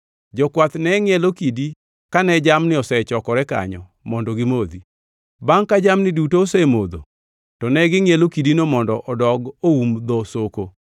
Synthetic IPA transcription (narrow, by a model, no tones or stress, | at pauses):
d͡ʒɔkwat̪nɛŋɪɛlokidi | kanɛd͡ʒamnɪɔsɛt͡ʃɔkɔɾɛka̰ɲɔ | mɔndɔɡɪmod̪i | baŋkad͡ʒamnɪdutoːsɛmod̪o̰ | tɔnɛɡɪŋɪelokidinomɔndɔʔɔdɔɡoumd̪ɔsoko